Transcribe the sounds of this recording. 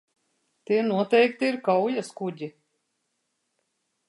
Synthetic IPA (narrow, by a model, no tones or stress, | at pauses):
t̪iɛnuɔt̪ɛjk̚t̪iiɾkawjaskuɟʲi